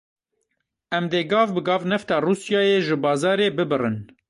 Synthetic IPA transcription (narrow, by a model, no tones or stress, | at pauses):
ʔɛmd̪eːɡɑːvbɨɡɑːvnɛft̪ɑːruːsjɑːjeːʒɨbɑːzɑːɾeːbɨbɨrɨn